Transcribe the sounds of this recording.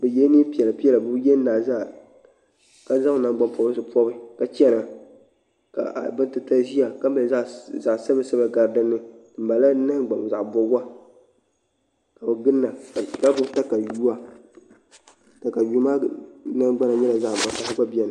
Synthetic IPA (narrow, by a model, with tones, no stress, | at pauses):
bɛ˨jɛ˦ni˦pi˨ɛ˨lɨ˨pi˦ɛ˦la˨bɨ˦jɛ˦nː˦aː˨za˦˨ | ka˦za˦ŋ˨na˨ŋɡ͡ba˦mpɔ˨bɨ˦sɨ˨pɔ˦bɨ˦ka˨t͡ʃɛ˦na˨ | ka̰˨ʔa̰˨bɨ˦ntɨ˦ta˦ʒi˦a˨ka˦ba˨˦za˨ʔsa˦ba˨sɛ˦ba˨ɡa˨ɾdɨ˦nːɨ˦ɨ˨m˨ba˨la˦na˦ŋ˦ɡ͡ba˨m˨za˨ʔbɔ˨ɡa˦ | ka˨bɨ˨ɡɨ˦nːa˨a˨ka˦bʊ˦ta˦ka˨ju˦a˦ | ta˨ka˨ju˦maː˦na˦ɡ͡ba˦na˨ɲɛ˦la˨za˦ʔma˨ta˨sɡ͡ba˦bi˦ɛ˨na˨